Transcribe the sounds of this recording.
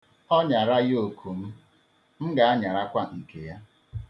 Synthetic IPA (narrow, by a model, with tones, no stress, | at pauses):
ɔ˦ɲa˨ɾa˦jo˨kʰu˨m̩˦ | m̩˦ɡa˨a˦ɲa˨ɾa˦kʷa˦ŋ̩˨ke˨ja˦